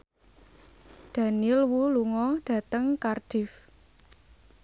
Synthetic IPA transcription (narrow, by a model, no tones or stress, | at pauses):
d̪̥ä̤nilwuluŋɔɖ̥ä̤t̪əŋkarɖ̥ɪ̤f